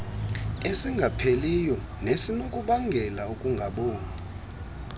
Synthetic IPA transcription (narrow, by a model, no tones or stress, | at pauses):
esiŋɡʱapʰelijɔ | nesinokʼuɓaŋɡʱɛlaukʼuŋɡʱaɓoːni